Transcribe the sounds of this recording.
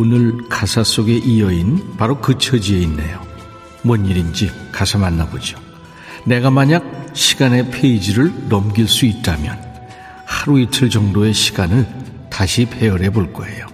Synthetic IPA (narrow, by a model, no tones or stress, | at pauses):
onɯɭkasʰas͈oɡe̞ʔijʌinpaɾokɯt͡ɕʰʌd͡ʑie̞inːḛjo | mwʌnːiɾind͡ʑikasʰamanːabod͡ʑio | ne̞ɡamaɲak̚ɕʰiɡane̞pʰeid͡ʑiɾɯɭnʌmɡiɭs͈uit̚t͈amjʌn | haɾuitʰɯɭd͡ʑʌŋdoe̞ɕʰi̥ɡanɯɭ | taɕʰipʰe̞ʌɾe̞boɭk͈ʌe̞jo